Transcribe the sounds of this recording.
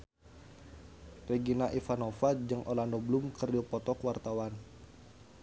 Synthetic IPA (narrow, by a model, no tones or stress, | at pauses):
rɛɡinaʔifanɔfad͡ʒɨŋʔolandɔblumkərdɔpɔt̪ɔkwart̪awan